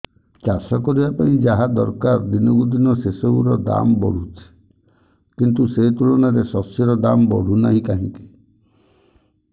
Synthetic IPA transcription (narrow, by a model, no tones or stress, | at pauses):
t͡ʃasɔkɔɾibapaĩd͡ʒaɦad̪ɔɾkaɾd̪inɔɡud̪inɔsesɔuɾɔd̪a̰mbɔ̰ɽ̤ut͡ʃʰi̥ | kint̪̬uset̪ulɔñaɾesɔsjɔɾɔd̪ambɔ̰ɽ̤unaɦĩkaɦĩŋki̥